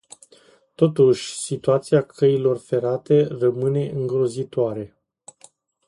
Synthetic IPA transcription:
t̪o̞t̪uʃʲsit̪uat̪siakʰəilo̞rfe̞ɾat̪e̞rəmɨne̞ʔɨŋɡɾo̞zit̪oaɾe̞

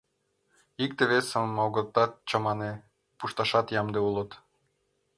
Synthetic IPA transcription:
ik̚t̪eβesəmːowɡɤ̆t̪ːɑt̪t͡ɕɑmɑne | puʃt̪ɑʃɑt̪jɑmd̪eulˠɤ̆t̪

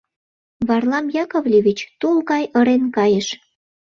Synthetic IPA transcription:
βɑrlɑmjɑkovlʲeβʲit͡ɕt̪ulɣɑjəɾenkɑjəʃ

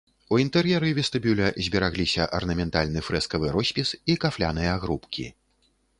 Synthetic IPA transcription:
uint̪ɛɾjɛɾɨvʲɛst̪ɨbʲulʲɐzʲbʲɛɾaɣlʲisʲɐʔɐrnɐmʲɛnt̪alʲnɨfɾɛskɐvɨɾɔsʲpʲisikaflʲa̰nɨjɐaɣɾupkʲḭ

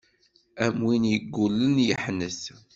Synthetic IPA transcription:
æmwinjəɡːulːənjəħnəs

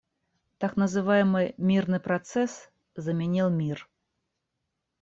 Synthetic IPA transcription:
t̪aknɐzɨvajɪmɨmʲirnɨpɾat̪sɛs | zɐmʲɛnʲilˠmʲir

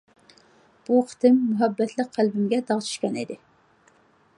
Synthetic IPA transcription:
b̥uqʰə̥t̪ʰɪmːuɦɛbːɛt̪ʰlɨk̚ʲqʰːælbɪmɡʲɛd̪ɑʁt͡ʃʰy̥ʃkʲɑnḭd̪ɪ

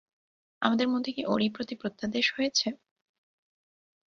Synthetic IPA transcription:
a̰mad̪eɾmod̪ʱːekiʔoɾipɾot̪ipɾot̪ːad̪eʃɦojet͡ɕʰe

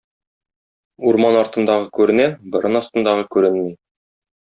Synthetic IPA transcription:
uɾmɑnɑɾt̪ɤ̆nd̪ɑʁɤkʉɾɘ̆næbŏɾɤnɑst̪ɤ̆nd̪ɑʁɤkʉɾɘnmij

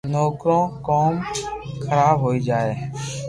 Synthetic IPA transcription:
noːkɾõːkɔːmkʰəɾaːbɦoːid͡ʒaːe

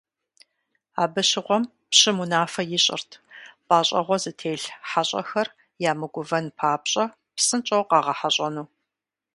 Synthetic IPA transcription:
aːbɨɕɪʁʷɔm | pɕɪmunaːfɐjɪɕʼɪ̰rtʰb̥aːɕʼɐ̰ʁʷɔzɨtʰeːɬħaɕʼɐ̰xɐr | jaːmɨɡʷʊvɐnpʰaːpɕʼɐ | psɨnt͡ʃʼɐwqɑːʁɐħaɕʼɐnuː

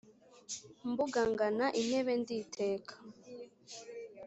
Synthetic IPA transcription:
mbuɡaŋɡanaʔin̥e̞βenditʰeːkʰḁ

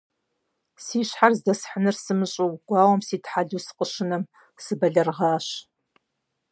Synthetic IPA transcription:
siːɕħarzdɐsħənɨrsɨmɨɕʼuwɡʷaːwɐmsiːtħaɮuːsɨ̥qʼəʃɨnɐm | sɨbɐɮɐrʁɑːɕ

